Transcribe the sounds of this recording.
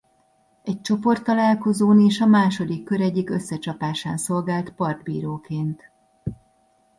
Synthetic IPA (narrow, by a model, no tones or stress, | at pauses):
ɛc̚t͡ʃo̞po̞rt̪ːɒlaːlko̞zoːneːʃɒmaːʃo̞d̪ikːø̞ɾɛɟːikø̞sːɛt͡ʃɒpaːʃaːnso̞lɡaːlt̪pɒrd̪̚bḭːɾoːkeːnt̪